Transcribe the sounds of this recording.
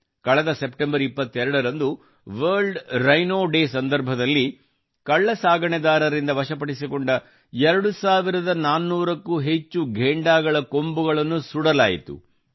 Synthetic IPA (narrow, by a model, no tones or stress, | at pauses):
kɐɭɛd̪ɐsepʈembɐɾipːɐt̪ːɛɾɐɽɐɾɐnd̪u | ʋɐːɾɭɖɾɐjnoːɖe̞ːsɐnd̪ɐɾbʱɐd̪ɐlːi | kɐɭːɐsaːɡɐɳɛd̪aːɾɐɾind̪ɐʋɐʃɐpɐɽisikɔɳɖɐ | ɛɾɐɽusaːʋiɾɐd̪ɐnaːnːuːɾɐkːuɦe̞t͡ʃːuɡʱeːɳɖaːɡɐɭɐko̞mbuɡɐɭɐnːusuɽɐla̰ːjḭt̪ṵ